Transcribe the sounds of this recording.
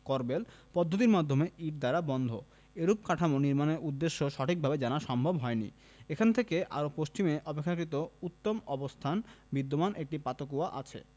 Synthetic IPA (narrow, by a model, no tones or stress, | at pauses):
kɔɾbel | pɔd̪ʱːot̪̬iɾmad̪ʱːomeʔiʈ̚d̪aɾabɔnd̪ʱo | eɾup̚kaʈʰamoniɾmaneɾʔud̪ːeʃːoʃɔʈʰik̚bʱabed͡ʑanaɾʃɔmbʱobɦɔenḭ | ekʰant̪ʰekeʔa̰ɾopost͡ɕimeʔɔpekʰːakɾit̪̬out̪ːomɔbost̪ʰanbid̪ːomanʔek̚ʈipat̪okuaʔa̰t͡ɕʰḛ